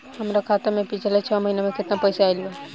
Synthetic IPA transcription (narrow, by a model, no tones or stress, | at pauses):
ɦəmɾakʰaːt̪emẽpit͡ʃʰlet͡ʃʰəməɦinemẽkɪt̪napəjsaːjlijo